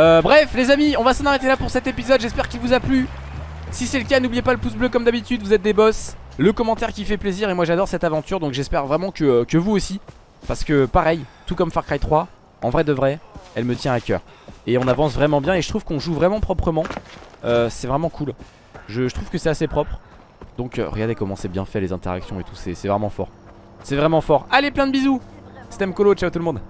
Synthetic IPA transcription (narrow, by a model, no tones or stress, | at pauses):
øbʁɛflezamiɔ̃vasɑ̃naʁet̪elapuʁsɛt̪epizɔd̪ʒɛspɛʁkʲilvuzaply | sisɛləkʲanublijepaləpusbløkɔmd̪abit̪yd̪vuzɛt̪̚d̪ebɔs | ləkɔmɑ̃t̪ɛʁkʲifɛpleziʁemwaʒad̪ɔʁsɛt̪avɑ̃t̪yʁd̪ɔ̃kʒɛspɛʁvʁɛmɑ̃kəkəvuosi | paʁsə̥kəpaʁɛjt̪ukɔmfaʁkχajt̪χwa | ɑ̃vʁɛd̪əvʁɛɛlmət̪jɛ̃akʲœ̰ːʁ | eɔ̃navɑ̃s̬vʁɛmɑ̃bjɛ̃eʒət̪χuv̥kɔ̃ʒuvʁɛmɑ̃pχɔpχəmɑ̃øsɛvʁɛmɑ̃kʰul | ʒəʒət̪χuv̥kəsɛt̪asepχɔpχ | d̪ɔ̃kø̰ʁə̰ɡaʁd̪ekɔmɑ̃sɛbjɛ̃fɛlezɛ̃t̪eʁa̰ksjɔ̃et̪usɛsɛvʁɛmɑ̃fɔ̰ʁ | sɛvʁɛmɑ̃fɔʁaleplɛ̃d̪əbizu | st̪ɛmkolot͡ʃawt̪ulmɔ̃d̪